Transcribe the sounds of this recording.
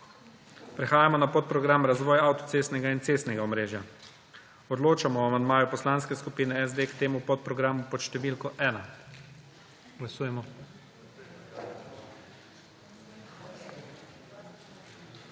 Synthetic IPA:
pɾɛxaːjamɔnapot̪̚pɾɔɡɾamɾazʋɔːjaawt̪ɔt̪seːst̪nɛɡaint̪seːst̪nɛɡaɔmɾeːʒja | ɔd̪loːt͡ʃamɔamand̪̚maːjupɔslanskɛskupiːnɛɛzd̪eːkt̪eːmupɔt̪̚pɾɔɡɾaːmupɔt̪ʃt̪ɛʋilkɔʔɛːna | ɡ̥lasuːjɛmɔ

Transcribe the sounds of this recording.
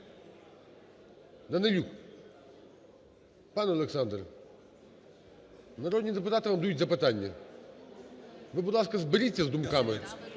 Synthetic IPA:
nɐnɐlʲuk | panɐlˠɛksand̪r | nɐɾod̪nʲijd̪ɛp̬ʊt̪at̪ɨvamd̪ɐjutʲzɐpɨt̪anʲːɐ | vɨbʊd̪lˠaskɐzbɪɾʲitʲːɐzd̪ʊmkamɪ

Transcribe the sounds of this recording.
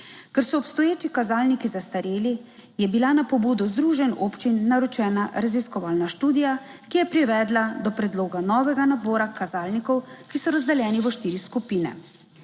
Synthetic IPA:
kɛɾsɔːpst̪ɔjeːt͡ʃikazaːlnikizast̪aɾeːli | jɛbilanapɔbuːd̪ɔzd̪ɾuːʒɛnopt͡ʃinːaɾɔt͡ʃɛːnaɾaziskɔʋaːlnaʃt̪uːd̪ija | kijɛpɾiʋɛːd̪lad̪ɔpɾɛd̪loːɡanɔːʋɛɡanabɔːɾakazaːlnikɔwkisɔɾazd̪ɛljɛːniʋɔʃt̪iːɾiskupiːnɛ̰

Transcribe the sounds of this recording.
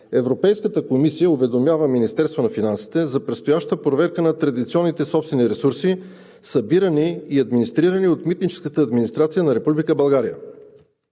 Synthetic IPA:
ɛvɾopɛjskət̪əkomisijəʊvɛd̪omʲjavəminist̪ɛɾst̪vonɐfinansi̥t̪ɛzɐpɾɛt̪st̪ojaʃt̪əpɾovɛɾkənɐt̪ɾɐd̪it̪siɔnːit̪ɛsɔpst̪vɛniɾɛsuɾsi | sɐbiɾəniːɐd̪minist̪ɾiɾəniot̪mit̪nit͡ʃɛ̥skət̪əːd̪minist̪ɾat̪sijənɐɾɛpublikəbɐlˠɡaɾijə̰

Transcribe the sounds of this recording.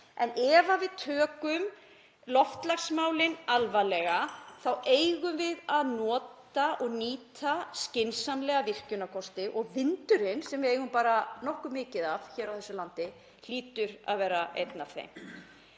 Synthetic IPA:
ɛnɛvavɪðt̪ʰœːkʏm | lɔft̪laksmaːwlɪnalvalɛɣaθawʔejɣʏmvɪðaðnɔːt̪aʔɔɣniːt̪ascɪnsanlɛɣavɪr̥cʏnakʰɔst̪ɪʔɔɣvɪnt̪ʏɾɪnsɛmvɪejɣʏmpaːɾanɔhkʏmːɪːcɪðavçɛːɾawθɛsːʏlant̪ɪ | l̥iːt̪ʏɾa̰ðvɛːɾaḛjt̪nav̥θḛjm

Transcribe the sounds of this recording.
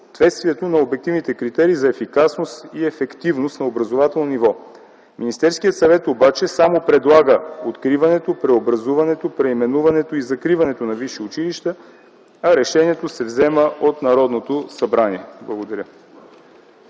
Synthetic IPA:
t̪vɛt̪st̪viɛt̪onɐobɛk̚t̪ivnit̪ɛkɾit̪ɛɾiːzɐɛfikasnost̪iɛfɛkt̪ivnost̪nɐobɾɐzovat̪ɛlˠnonʲivɔ | minʲist̪ɛɾskijət̪sɐvɛt̪obat͡ʃɛsamopɾɛd̪lˠaɡəot̪kɾivɐnɛt̪opɾɛobɾɐzuvɐnɛt̪opɾɛimɛnuvɐnɛt̪oizɐkɾivɐnɛt̪onɐviʃiʊt͡ʃiliʃt̪ə | ɐɾɛʃɛniɛt̪osɛvzɛməʔot̪nɐɾɔd̪not̪osɐbɾaniɛblˠɐɡod̪ɐɾʲə

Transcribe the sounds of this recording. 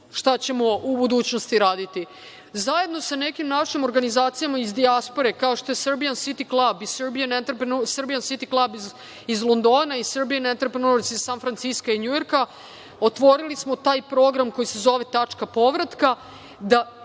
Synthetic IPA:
ʃt̪at͡ɕe̞mo̞ubud̪uːt͡ɕnost̪iɾaːd̪it̪i | zaje̞d̪no̞sane̞kimnaʃimo̞ɾɡanizaːt̪sijamaizd̪iaspo̞ɾe̞kao̞ʃt̪o̞je̞sr̩bijansit̪iklˠabisbijanent̪ɾpesr̩bijansit̪iklˠabi | izlˠo̞nd̪o̞ːnaisr̩bijanent̪ɾpɾenosizsanfɾantsiskaiɲujo̞ɾka | ot̪ʋo̞ɾilismo̞t̪aːjpɾo̞ːɡɾamko̞jise̞zo̞ʋe̞t̪at͡ʂkapo̞ʋɾat̪ka | d̪a

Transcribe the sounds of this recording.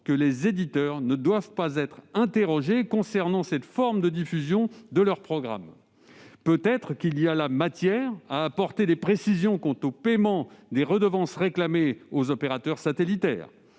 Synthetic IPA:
kəlezed̪it̪œʁnəd̪wavpazɛt̪χɛ̃t̪eʁɔʒekɔ̃sɛʁnɑ̃sɛt̪fɔʁmd̪əd̪ifyzjɔ̃d̪əlœʁpχɔɡʁa̰m | pøt̪ɛt̪χkʲilialamat̪jɛːʁaːpɔʁt̪ed̪epχesizjɔ̃kɔ̃t̪opɛmɑ̃d̪eʁəd̪əvɑ̃sʁeklameozɔpeʁat̪œʁsat̪elit̪ɛ̰ːʁ

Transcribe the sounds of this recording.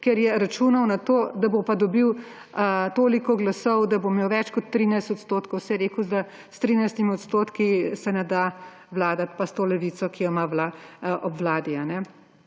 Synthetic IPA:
kɛɾjɛɾat͡ʃuːnɐwnat̪oːd̪abopad̪ɔbiw | t̪oːlikɔɡlasɔwd̪abomewʋɛt͡ʃkɔt̪ːɾinajst̪ɔt̪st̪oːt̪kɔwsɛjɾeːkuzd̪a | st̪ɾinajst̪imiɔt̪st̪oːt̪kisɛnɛd̪a | ʋlaːd̪at̪past̪oːlɛʋiːt̪sɔkijɔmaʋlaʔɔbʋlaːd̪ianɛ

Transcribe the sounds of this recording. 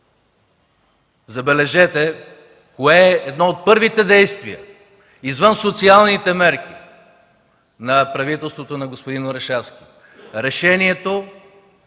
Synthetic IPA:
zɐbɛlɛʒɛt̪ɛ | koɛːɛd̪nɔot̪̚pɤɾvit̪ɛd̪ɛjst̪vḭə̰ | izvənsot̪sialˠnit̪ɛmɛɾk̟i | nɐpɾɐvit̪ɛlˠst̪vot̪onɐɡospod̪inoɾɛʃɛfskʲi̥ | ɾɛʃɛniɛt̪o

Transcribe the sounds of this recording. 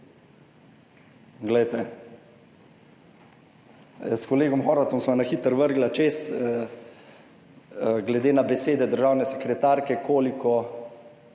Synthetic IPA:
ɡlɛjt̪ɛ | skɔleːɡɔmxɔːɾʋat̪ɔmsmanaxit̪əɾʋəɾɡlat͡ʃes | ɡlɛd̪eːnabɛseːd̪ɛd̪əɾʒaːwnɛsɛkɾɛt̪aːɾkɛkʰoːlikʰɔ

